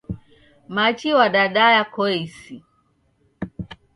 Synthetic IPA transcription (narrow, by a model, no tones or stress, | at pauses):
mat͡ʃiwaɗaɗajakɔɛsi